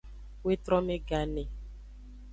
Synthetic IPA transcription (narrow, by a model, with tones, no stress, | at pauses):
we˦t̪ɾɔ̃˦mẽ˦ɡa˨ne˨